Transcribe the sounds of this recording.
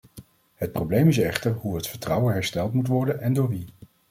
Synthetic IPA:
ɦət̚prowblejmɪs̬ɛχtəɹɦuɦətfəɹtrʌwənɦɛɹstɛlˠtmutʋɔɹdənɛndʊːɹʋi

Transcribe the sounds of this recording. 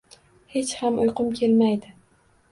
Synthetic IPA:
he̞t͡ʃhamʊjqʊmkʲʰe̞lmajd̪ɪ

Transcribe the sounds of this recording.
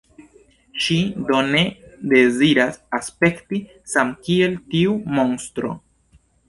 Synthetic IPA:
ʃido̞ne̞de̞ziɾasaspe̞kti | samkie̞ltiumo̞nstɾo̞̰

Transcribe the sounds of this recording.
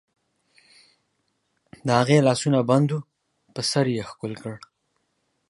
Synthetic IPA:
d̪əhaɣelɑsunaband̪u | pəsaɾjexkʊlkəɽ

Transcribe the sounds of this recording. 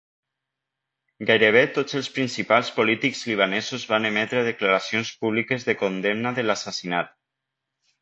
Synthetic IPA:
ɡajɾeβ̞et̪ozelˠspɾinsipalˠspolit̪ikz̥liβ̞anezuzβanemɛt̪ɾeað̞eklaɾasionspuβ̞likezðekond̪emnaðelasasinat̪

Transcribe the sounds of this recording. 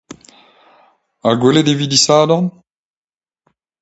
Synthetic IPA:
aɡweledevid̪isaːdɑ̃n

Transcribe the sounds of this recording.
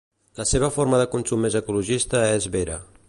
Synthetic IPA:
ləseβ̞əfoɾməðəkunsumːezəkuluʒist̪əezβeɾə̰

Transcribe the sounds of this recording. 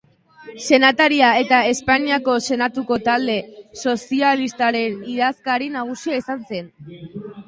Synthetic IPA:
se̞nat̪aɾiae̞t̪ae̞spaniako̞se̞nat̪uko̞t̪ald̪e̞so̞sialist̪aɾe̞niðaskaɾinaɣ̞usiaisanse̞n

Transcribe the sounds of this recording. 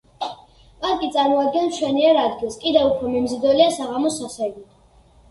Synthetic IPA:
pʼaɾkʼit̪sʼaɾmɔad̪̚ɡɛnt͡ʃʰwɛniɛɾad̪ɡilˠskʼid̪ɛupʰɾɔmɛmzid̪ɔliasaʁamɔsaχɛɡit̪ʰ

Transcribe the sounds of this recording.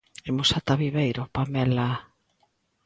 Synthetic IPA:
emosat̪aβiβejɾopamɛla

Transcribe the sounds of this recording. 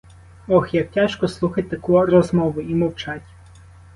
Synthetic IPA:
ɔxjɐk̚tʲaʃkɔslˠuxɐtʲt̪ɐkurɔzmɔʋʊimɔwt͡ʃɑtʲ

